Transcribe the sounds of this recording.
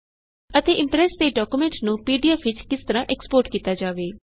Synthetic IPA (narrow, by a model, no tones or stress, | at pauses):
ət̪eːʔɪ̃mpɾɛːst̪eːɖɔːkuːmɛ̃ɳʈnũːpiːɖijaːfɪt͡ʃkɪst̪əɾãːʔɛkspoːɾʈkiːt̪aːd͡ʒaːʋeː